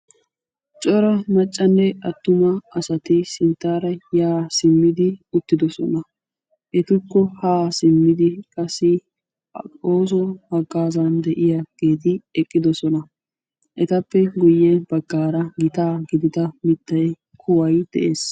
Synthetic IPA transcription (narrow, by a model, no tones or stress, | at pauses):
t͡ʃʼɔɾɐmɐt͡ʃʼːɐnːɛɐt̪ːʊmɐɐsɐt̪ɪsɪnt̪ːaːɾɐjaːsɪmːɪd̪ɪʊt̪ːɪd̪ɔsɔ̰nɐ | ʔɛt̪ʊkːɔhaːsɪmːɪd̪ɪkʼɐsːɪ | oːs̬ɔhɐɡːaːzand̪ɛʔɪjɐɡ̥e̞ːt̪ɪɛkʼːɪd̪ɔsɔnɐ | ʔɛt̪ɐpːɛɡʊjːɛbɐɡːaːɾɐɡɪt̪aːɡɪd̪ɪd̪ɐmɪt̪ːɐj | kʰʊwɐjʊd̪̥ɛʔeːs